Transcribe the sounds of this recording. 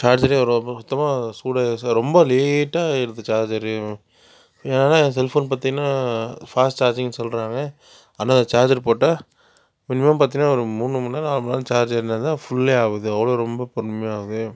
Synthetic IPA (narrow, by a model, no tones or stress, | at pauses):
t͡ʃaːɾd͡ʒɐɾeɔɾt̪ːɐmaːsuːɽɐsɾɔmbɐleːʈːaːɪɾɯnðɯt͡ʃaːɾd͡ʒɐɾɯ | eːnaːlãːs̬ɛlfoːnpaːɾt̪iŋɡɐnaːfaːsʈt͡ʃaːɾd͡ʒɪŋsɔlɾaːŋɡɐ | ɐnːaːnd̪ɐt͡ʃaːɾd͡ʒɐɾpoːʈːaː | mɪnɯmɐmpaːɾt̪iŋɐnaːɔɾɯmuːnːɯmɐnːaːnaːlmɐlaːlɯt͡ʃaːɾd͡ʒɐɾɯnːɐt̪ãːfʊɭːeaːʋɐðɯɐʋɐɭoːɾɔmbɐpɐɾnmejaːʋɐðɯ